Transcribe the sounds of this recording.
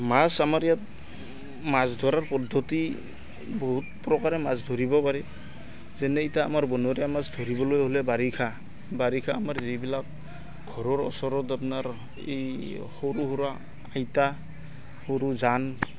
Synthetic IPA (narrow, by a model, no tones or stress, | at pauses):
masamaɹjat̚ | masdʱɔɾaɹpɔdʱːɔti | bɔɦut̚pɾɔkaɾɛmasdʱoɾibɔpaɾɛ | zɛnɛitaːmaɹbɔnɔɾijamasdʱoɾibɔlojɦolɛbaɾikʰa | baɾikʰaːmaɹzibilak̚ | ɡʱɔɾɔɹɔ̰sɔɾɔtapnaɾ | ḛj | hoɾuɦuɾa | ajta | hoɾuzan